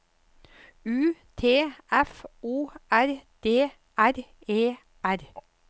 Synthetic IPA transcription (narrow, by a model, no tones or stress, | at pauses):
ʉːt̪ʰeːʔɛfuːʔæɾd̪̥eː | ʔæɾ | eː | æɾ